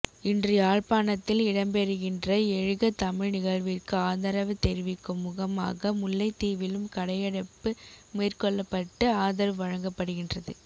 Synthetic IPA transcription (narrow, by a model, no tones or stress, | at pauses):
ɪndriaːɻpaːnɐt̪ːɪlɪɽɐmbɛɾɯɣɪndrɐɛɻɯɣɐt̪ɐmɪɻnɪɣɐɻʋɪrkɯaːðɐɾɐʋɯt̪ɛɾɪʋɪkːɯmʊɣɐma̰ːɣɐmʊlːɐɪt̪iːʋɪlɯmkɐɽɐjɐɽɐpːɯmeːrkɔɭːɐpːɐʈːɯaːðɐɾʋɐɻɐŋɡɐpːɐɽɯɣɪndrɐðɯ